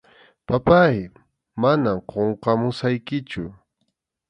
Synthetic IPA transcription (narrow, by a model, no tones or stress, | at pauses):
papaj | manamqoɴqɑmʊsajkɪt͡ʃʊ